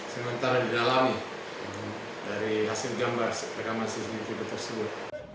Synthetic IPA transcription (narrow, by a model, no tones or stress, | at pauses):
səmənt̪aɾadidalami | daɾiɦasɪlɡambarsərkamansisnit̪ibat̪ːərsəbʊt̪̚